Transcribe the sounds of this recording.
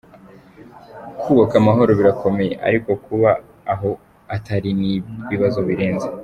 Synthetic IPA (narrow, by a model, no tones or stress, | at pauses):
kʰuːβakamaɦo̞ɾo̞βiɾakʰo̞me̞jeʔa̰ɾiko̞kuβaː | ɦo̞ | ataɾiniβiβazo̞βiɾe̞ːnze